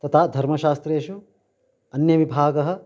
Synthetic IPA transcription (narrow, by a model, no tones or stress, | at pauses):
t̪ɐt̪ʰaːd̪ʱɐɾmɐʃaːst̪ɾeːʃu | ɐnjɐʋibʱaːɡɐɦɐ̆